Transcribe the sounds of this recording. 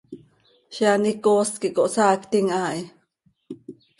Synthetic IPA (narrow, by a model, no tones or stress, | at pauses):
ʃianikoːskiʔkoʔsaːkt̪iŋʔaːʔi